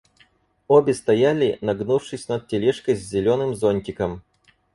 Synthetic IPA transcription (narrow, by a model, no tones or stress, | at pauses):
obʲɪst̪ɐjalʲɪnɐɡnufʂɨsʲnɐt̪̚tʲɪlʲɛʂkəjzʲzʲɪlʲonɨmzonʲtʲɪkəm